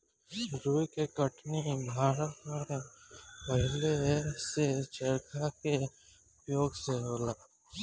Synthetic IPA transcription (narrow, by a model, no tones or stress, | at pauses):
ɾuːjkekəʈnibʱaːɾət̪mẽ | pəɦɪleset͡ʃəɾkʰake | ʊpjoːɡseɦoːlaː